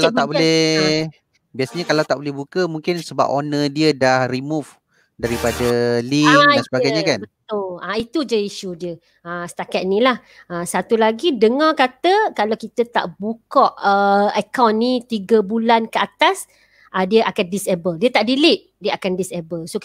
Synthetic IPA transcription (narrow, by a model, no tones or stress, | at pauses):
kalat̪abolɛ | biasɲakalawt̪aʔbolɛhbukəmũŋkɪnsəba̰ponədiədahrimuf | daɾipadəliansəbaɡajɲakanbət̪ʊlait̪ud͡ʒəiʃudiə | əsə̥t̪akat̪nĩlah | asat̪ulaɡidəŋɔkat̪əkalakit̪ət̪a̰ʔbukɔʔəəkawnːĩt̪iɡəbulankəat̪as | ʔadiəʔakandisebəldiət̪aʔdilɪʔ̚ | diəakandisebəlso